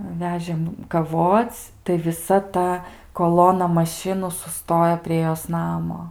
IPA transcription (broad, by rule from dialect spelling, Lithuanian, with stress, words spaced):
ˈʋʲæːʒʲeːm kɐˈʋoːt͡sʲ tɐɪ ʋʲɪˈsɐ ˈtɐ koːˈlˠoːnɐ mɐˈʃʲɪnuː sʊˈstoːjoː pʲrʲiɛ ˈjoːs ˈnɑːmoː